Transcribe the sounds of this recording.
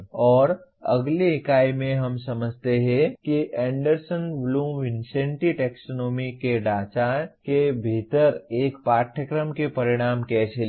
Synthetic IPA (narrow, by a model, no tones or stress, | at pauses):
ɔːɾɐ̰ɡleɦɪkaːimẽɦɐmsɐməd͡ʒʱt̪eɦɛ̃kiʔɛ̃ːɳɖəɾsənʋlũːʋɪnsẽːɳʈiʈɛːksonɔːmikeɖaːt͡ʃakebʱiːt̪əɾeːkpaːʈʰəkɾəmkepɐɾɪɽ̃aːmkɛːsel